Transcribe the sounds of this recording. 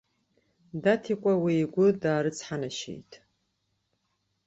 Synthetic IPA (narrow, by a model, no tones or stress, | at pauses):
datʰikʷʼawiːɡʷʊdaːɾɨt͡sʰʼħanaʃḛjtʰʼ